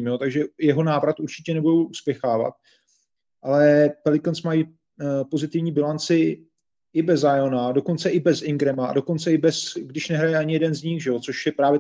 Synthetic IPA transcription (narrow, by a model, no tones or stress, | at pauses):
mjo̞t̪aɡʒɛjɛɦo̞naːvɾat̪ʔuɾt͡ʃɪ̥cɛnɛbudo̞wʔuspjɛxaːva̰t̪̚ | ʔalɛpɛlɪkonsmaji | po̞zɪt̪ɪvɲiːbɪlant͡sɪ | ʔɪbɛzajonado̞ko̞nt͡sɛʔɪbɛzɪŋɡɾɛmaa̰do̞ko̞nt͡sɛɪbɛsɡdɪʃnɛɦɾajɛʔaɲɪjɛdɛnzɲɪxʒɛot͡so̞ʃjɛpɾaːvjɛ